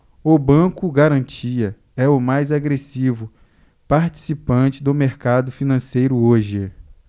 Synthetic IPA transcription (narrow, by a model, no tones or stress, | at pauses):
ʊbɐ̃kʊɡaɾɐ̃t͡ʃiɐ | ɛʊmajzaɡɾesivʊ | paɾt͡ʃi̥sipɐ̃t͡ʃɪd̪ʊmeɾkad̪ʊfinɐ̃sejɾʊoʒɪ